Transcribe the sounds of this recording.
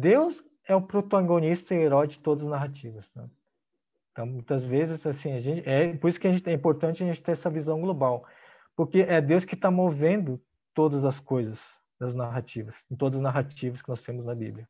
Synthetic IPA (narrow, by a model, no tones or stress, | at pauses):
d̪ews | ɛʊpɾot̪aɡõnist̪ɐɪeɾɔjd͡ʒɪt̪od̪ɐzɐznaɦat͡ʃivɐsnɛ̰ | ẽt̪ɐ̃w̃mũj̃t̪ɐzvezɪsasĩɐʒẽnt͡ʃɪʔɛpoɾisʊ̥kɪɐʒẽt͡ʃɪɛĩpoɾt̪ɐ̃t͡ʃɪɐʒẽnt͡ʃɪ̥t̪ẽɛsɐvizɐ̃w̃ɡlobaw | poɾkeʔɛd̪ewskɪt̪amovẽnd̪ʊ | t̪od̪ɐzɐskojzɐs | d̪ɐznaɦat͡ʃivɐsɪ̃t̪od̪ɐzɐznaɦat͡ʃivɐskɪnɔst̪ẽmʊznɐbḭbljɐ